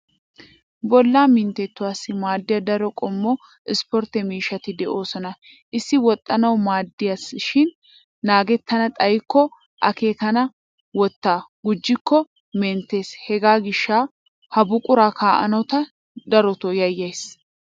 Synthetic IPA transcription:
bɔlːaːmɪnt̪ɛt̪ːʊwaːsːɪmaːd̪ːɪjɐd̪ɐɾɔkʼɔmːɔ | ɪspɔɾt̪ɛmiːʃɐt̪ɪd̪ɛʔo̞ːsɔnɐ | ʔɪsːɪwɔt̪ʼːɐnɐwmaːd̪ːɪjɐsʃɪnː | aːɡɛt̪ːɐnɐt̪ʼɐjɪkːɔ | ʔɐke̞ːkɐnɐ | wɔt̪ːaːɡ̥ʊd͡ʒːɪkːɔ | mɛnt̪e̞ːshɛɡaːɡɪʃːaː | hɐbʊkʼʊɾaːkʰaːʔɐ̰nɐwt̪ɐ | d̪ɐɾɔt̪ɔjɐjːɐjs

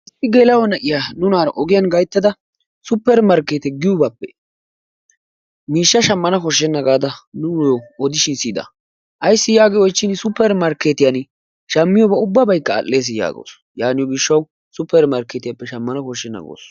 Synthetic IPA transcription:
ɪsːɪɡeːlɐwɔnɐʔɪjanʊnaːɾɐʔɔɡɪjɐnɡɐjt̪ːɐd̪ɐ | sʊpːɛɾmɐɾkːeːt̪ɛɡɪjʊbaːpːɛ̰ | miːʃːɐʃɐmːɐnɐkɔʃ̬ːɛnːɐɡaːd̪ɐnʊjɔɔd̪ɪʃɪnsiːd̪ɐ̰ | ʔɐjsːɪjaːɡɛjɔjt͡ʃːɪnsʊpːɛɾmɐɾkeːt̪ɪjɐn | ʃɐmːɪjɔbɐʊbːɐbɐjkːɐ̰ːllːe̞ːs̬ɪja̰ːɡo̰ːs | jaːnɪjɔɡɪʃːɐw | sʊpːɛɾmɐɾkeːt̪ɪjɐpːɛʃɐmːɐnɐkɔʃːɛnːɐ̰ɡo̰ːs

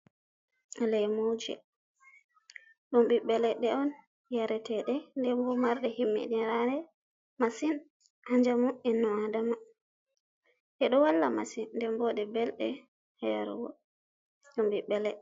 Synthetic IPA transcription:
lɛmowd͡ʒɛ̰ | ɗumbiɓɛlɛɗɛɔn | jaɾɛtɛɗɛndɛmbɔmaɾɗɛhimːḭɗiɾaɾɛ | masin | haɲd͡ʒamuʔinːɔadama | ʔɛɗɔwalːamasinːdɛmbɔɗɛbɛlɗɛ | hɛja̰ɾṵwɔ̰ | ɗumbiɓɛlɛ

